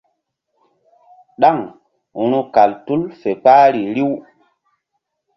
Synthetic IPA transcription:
ɗa˦˨ŋ | u˦ɾu˦ka˨ltu˦lfe˨paː˦ɾi˨ɾi˦w

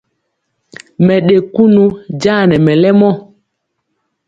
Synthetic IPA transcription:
mɛ˨ɗe˨ku˦nu˦d͡ʒa˦˨nɛ˨mɛ˨lɛ˦mɔ˦

